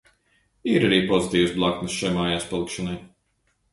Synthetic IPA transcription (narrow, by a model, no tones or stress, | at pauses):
iɾaɾiːpɔzit̪iːwusblˠaknɨsʃajmaːjaːspalˠikʃɔnaj